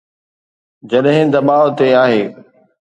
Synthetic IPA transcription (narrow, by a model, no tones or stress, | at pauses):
d͡ʑɐɗɦɪ̃d̪ɐɓaːʋot̪eaːɦeː